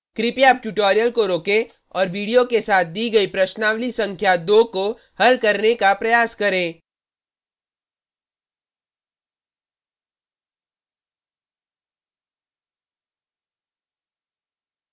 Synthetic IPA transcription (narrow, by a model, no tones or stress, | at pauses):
kɾɪpjaːp̚ʈuʈoːɾijəlkoɾoːkẽ | ɔːɾʋiːɽijokesaːt̪̚ʰd̪iːɡɐipɾɐʃnaːʋlisɐ̃ŋkʰjad̪oːko | hɐlkɐɾnekapɾɐjaːskɐɾẽː